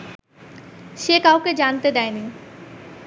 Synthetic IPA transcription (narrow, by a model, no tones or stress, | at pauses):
ʃekawked͡ʑant̪ed̪ɛeni